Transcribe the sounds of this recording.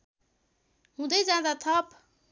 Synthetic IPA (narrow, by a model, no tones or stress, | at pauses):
ɦũd̪ʌjd͡zãd̪at̪ʰʌp